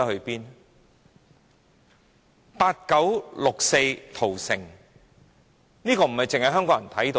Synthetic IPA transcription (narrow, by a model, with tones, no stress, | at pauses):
ɐ˥hɵ˧piː˥n | paː˧t̚kɐ˨˥wlʊ˨k̚se˧jt̪ʰo˨˩wsɪ˨˩ŋ | niː˥kɔː˧m̩˨˩hɐ˨˩jt͡sɪ˨ŋhɐ˨jɦœː˥ŋkɔː˨˧˥jɐ˨nt̪ʰɐ˨˥jt̪o˧